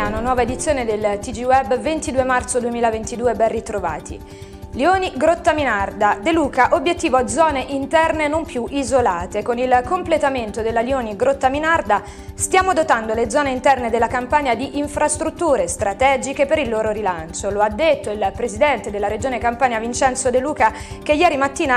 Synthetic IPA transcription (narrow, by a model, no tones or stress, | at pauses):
anonwɔːvaed̪it̪sːjoːned̪elt̪id͡ʒiwɛbːvent̪id̪uːemart̪sod̪uemiːlavent̪id̪uːebɛnrit̪ɾova̰ːt̪ʰḭ | lioːniɡɾot̪ːaminard̪ad̪eluːkaʔobjet̪ːiːvoad̪zɔːneʔint̪ɛrnenompjuʔizolaːt̪ekonilkomplet̪ament̪od̪elːaljoːniɡɾot̪ːaminard̪a | st̪jaːmod̪ot̪and̪oled̪zɔːneint̪ɛrned̪elːakampaɲjad̪iʔiɱfɾast̪ɾut̪ːuːɾest̪ɾat̪ɛːd͡ʒikepeɾilːoːɾoɾilant͡ʃoload̪ːet̪ːoilpɾezid̪ɛnt̪ed̪elːaɾed͡ʒoːnekampaːɲjavint͡ʃɛnt̪sod̪eluːka | k̟ejɛːɾimat̪ːiːna